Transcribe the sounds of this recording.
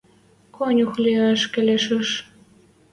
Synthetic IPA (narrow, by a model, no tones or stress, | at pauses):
kʰonʲuxliəʃkĕlʲeʃə̆ʃ